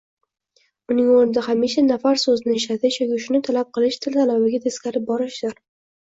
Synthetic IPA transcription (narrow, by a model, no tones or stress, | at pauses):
ʊnɪŋoɾnɪd̪ahamiʃanafaɾsɵzɪnɪɪʃlat̪ʰɪʃjɒkʲɪʃʊnɪt̪ʰalap̚qʰɨlˠɪʃt̪ʰɪlt̪ʰalabɪɡʲat̪ʰeskʲaɾɪp̚bɒɾɪʃd̪̥ɪɾ